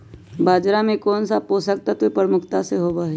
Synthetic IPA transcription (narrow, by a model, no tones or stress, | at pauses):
baːd͡ʒɾamẽkɔːnsaposak̚t̪at̪oipɾəmʊkʰt̪aseɦoːbaɦe